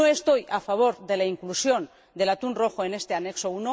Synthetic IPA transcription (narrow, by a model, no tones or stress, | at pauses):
oe̞st̪o̞jafaβ̞o̞ɾðe̞laiŋklusjo̞n | d̪e̞lat̪unroxoe̞ne̞st̪e̞ane̞kso̞uno